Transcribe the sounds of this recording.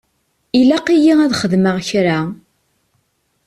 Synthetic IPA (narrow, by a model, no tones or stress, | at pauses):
ilæqijiæðχəðməʁçɾa